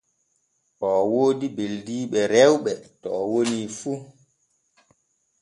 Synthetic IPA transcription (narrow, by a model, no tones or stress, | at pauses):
ʔɔwoːdibeldiːɓɛɾɛwɓɛtɔːwonifu